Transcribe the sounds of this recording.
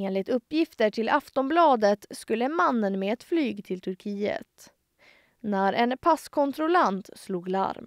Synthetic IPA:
eːnlɪt̪ɵpːjɪft̪əʈʰɪlʔaft̪ɔnblɑːd̪ət̪skɵlːəmanːənmeɛt̪flyːɡt̪ʰɪlt̪ʰɵɾkʰiːə̰t̪ | næɾʔɛnpʰaskʰɔnt̪ɾʊlant̪sluːɡla̰ɾm

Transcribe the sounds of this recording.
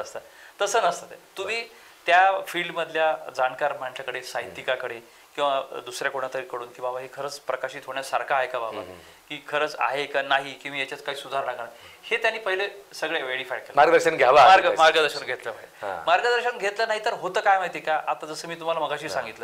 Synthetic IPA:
əst̪ə | t̪əsəːnəst̪ət̪et̪um̤iː | t̪jafiːɭɖməd̪ʱljad͡zankaɾm̤əɳt͡ɕakəɽesajit̪ikakəɽe | kĩw̃ʋad̪usɾjakoɽɳ̃at̪əɾiːkəɽuːnkĩw̃babaɦekʰəɾəːt͡spɾəkaɕiːt̪ʰoɳ̃jasaɾkʰaːɦekababa̰ | kiːkʰəɾəːt͡sa̰ɦekanaɦikĩw̃ajet͡ɕat͡skaiːsud̪ʱaɾnaɡɳa | het̪janːiːpəɦilesəɡɭeʋeɽifajkelmaɾɡəd̪əɾɕənɡʱjaʋamaɾɡəmaɾɡəd̪əɾɕənɡʱet̪ləbaḭmaɾɡəd̪əɾɕənɡʱet̪lənaɦit̪əɾɦot̪əːkajmaɦit̪ekaʔat̪ad͡zəsəːmiːt̪um̤alaməɡaɕiːsãŋɡit̪lə

